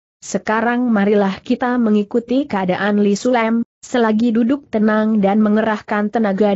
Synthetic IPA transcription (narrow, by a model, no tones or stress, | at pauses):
səkaɾaŋmaɾilahkit̪aməŋikut̪ikəadaʔanlisulɛm | səlaɡidudʊk̚t̪ənaŋdanməŋəɾahkant̪ənaɡa